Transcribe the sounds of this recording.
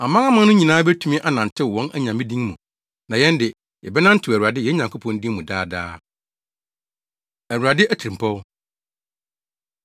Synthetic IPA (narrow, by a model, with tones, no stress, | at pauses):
a˨mã˦ŋã˦mã˦nʊ̃˦ɲĩ˨nãː˦bɛ˦tʰu˦mĩ˦ʔa˦nã˨n˨tʰɪ˦˨wɔ̃˦nʔæ˦ɲã˨mĩ˦dĩ˦ŋmũ˨ | nã˨jɛ̃˦ndɪ˨ | jɛ̰˨bɛ˦nã˦n̩˦tʰʊ˨æ˨wu˨ɾa˨dɪ˦jɛ˦ɲã˨ŋkʰo˦pʰɔ̃˨n˦dĩ˦ŋmũ˨daː˦da̰ː˦ | æ˨wu˨ɾa˨dɪ˦ʔæ˦˨tʰɾĩ˨m˨pʰɔ˦w